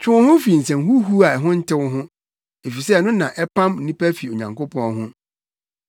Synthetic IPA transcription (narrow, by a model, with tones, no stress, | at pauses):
t͡ɕᶣʰʊ̃˦hʊ̃˦fi˨n̩˨sɛ̃˨mɦu˦ɦu˦a˨ɛ˨ɦʊ̃˦n̩˦tʰɪ˦wʊ˦ɦʊ̃˦ | e˨fi˨sɛ˦˨nʊ̃˦nã˨ʔɛ˦pʰã˦mn̩ː˨nĩ˦pæ˦fi˨o˨ɲã̰˨ŋko˦pʰɔ̃˦nɦʊ̃˦